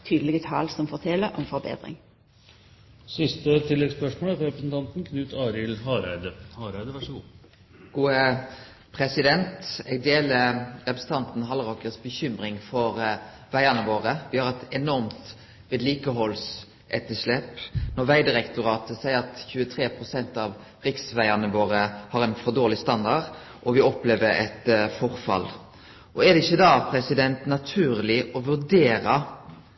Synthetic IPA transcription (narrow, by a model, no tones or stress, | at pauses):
t̪ʰyːd̪əlɪɡət̪ʰɑ̰ːlsɔmfɔʁt̪ʰɛləɾʔɔmfɔbḛːd̪ɾɪ̰ŋ | sɪst̪ət̪ʰɪlːɛɡspœʂmoːlætɾɛpɾəsn̩t̪ʰɑnt̪n̩kʰnʉːt̪ɑːɾɪlhɑːɾæɪd̪əhɑɾæɪd̪əʋɑʂɔɡṵː | ɡ̥uːə | pʰʁɛsɪd̪ɛnt̪ɛɡ̚d̪eːləʁɛpɾəs̩t̪ʰɑnt̪n̩ɦɑlʁɔkəsbəçʏmʁɪŋfɔʁ | ʋæɪɑnəʋoːʁəʋɪhɑʁɛt̪ɛnɔʁmt̪ | ʋeːd̪liːkəɦɔls | ɛt̪ːəʂlɛpnɔʋæɪd̪ɪɾɛkt̪ʊɾɑːt̪əsæɪəɾɑt̪çʉːət̪ʰɾeːpʰɾʊsɛnt̪ɑʋ | ɾɪksʋæɪɑnəʋoːɾəhɑɾɛɪnfɔd̪oːɾlɪst̪ɑnd̪ɑd | ʔɔʋɪɔpleːʋəɾɛ̰t̪fɔʁfɑ̰lː | ʔɔɛd̪ɛɪçːəd̪ɑːpʰɾɛsɪd̪ɛnt̪nɑt̪ʰʉːɾlɪʔɔʋʉɾd̪eːɾɑ